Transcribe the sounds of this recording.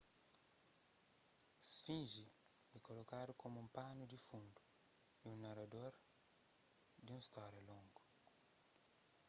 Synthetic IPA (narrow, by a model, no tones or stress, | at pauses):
sfĩnʒiikolokad̪ukõmũmpãnud̪ifũnd̪uiũnaɾad̪oɾ | d̪iũst̪ɔɾulõŋɡu